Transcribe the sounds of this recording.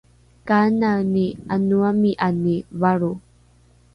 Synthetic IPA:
kananianuamiʔanivaɾu

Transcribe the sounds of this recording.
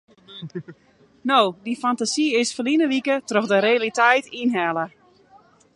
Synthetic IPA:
nowdifantasiɪsfəlinəʋikətrɔxdəɾealitɛjtinɦɛlə

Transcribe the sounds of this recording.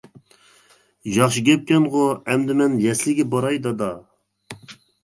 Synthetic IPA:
jɑχʃiɡʲɛp̚kʲɛnʁoɛmd̪ɪmɛnjɛslɪɡʲɛbɑɾɑjd̪ɑd̪ɑ

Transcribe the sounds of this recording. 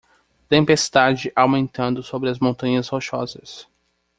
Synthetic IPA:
t̪ẽpest̪ad͡ʒɪʔawmẽnt̪ɐ̃nd̪ʊsobɾɪɐzmõnt̪ɐ̃ɲɐzhoʃɔzɐs

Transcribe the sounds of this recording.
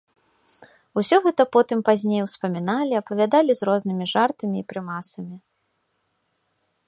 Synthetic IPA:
usʲɔɣɛt̪ɐpɔt̪ɨmpazʲnʲejwspɐmʲinalʲiɐpɐvʲad̪alʲizɾɔznɨmʲiʐart̪ɐmʲiːpɾɨmasɐmʲi

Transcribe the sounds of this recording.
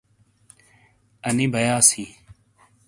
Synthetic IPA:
əniːbʱəjaːsiː

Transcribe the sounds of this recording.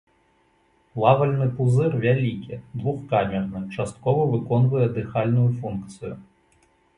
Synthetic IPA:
lˠavɐlʲnɨpuzɨrvʲalʲikʲid̪vuxkamʲɛrnɨt͡ʂast̪̚kɔvɐvɨkɔnvujɛd̪ɨxalʲnʊjʊfunkt̪sɨjʊ

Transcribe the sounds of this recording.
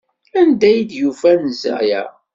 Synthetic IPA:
ænd̪æjd̪jufænzæ̰jæ̰

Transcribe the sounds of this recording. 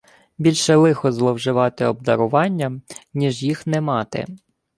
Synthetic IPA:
bʲilʲʃɛlˠɪxɔzlˠɔwʒɪʋɑt̪ɪɔb̚d̪ɐɾʊʋɑnʲːɐmnʲiʒjixnɛmɑt̪ɪ̰

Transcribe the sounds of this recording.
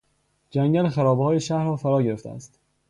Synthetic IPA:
d͡ʒæŋɟænxæɾɒːbhɒːjeʃæhɾɒːfæɾɒːɟe̞ɾeft̪ʰḛæ̰st̪

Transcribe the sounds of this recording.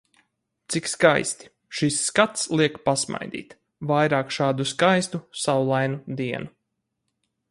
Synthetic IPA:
t̪sikskajst̪i̥ | ʃisːkat̪slˠiɛkpasma̰jd̪ḭːt̪ | vajɾaːkʃaːd̪uskajst̪usawulˠajnud̪iɛnu

